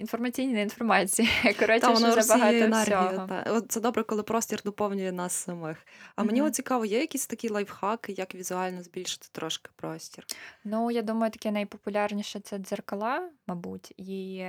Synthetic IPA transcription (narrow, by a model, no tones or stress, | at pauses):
infɔrmɐt͡sʲijnʲininfɔrmɑt͡sʲijikɔɾɔt̪ɔnɔɛbɐɦɑt̪ɛnsɛɔiɦjʊɔɑ̰ɔt̪̚sɛd̪ɔbɾɛkɔlˠɪpɾɔsʲtʲird̪ɔpɔwnʲʊjɛnɑsːɐmɪxɐmenʲiɔt̪t͡sʲikɑʋɔjɛjɐkʲisʲt̪ɐkʲilˠɐjwxɑkɪjɐkʋʲizʊɑlʲnɔzʲbʲilʲʃɪ̥t̪ɪ̥t̪ɾɔʃkɪ̥pɾɔsʲtʲirnujad̪umɐjʊt̪ɐ̥kʲɛnɐjpɔpʊlʲarnʲiʃɛt̪sɛzerkɐlˠɑmɐbutʲi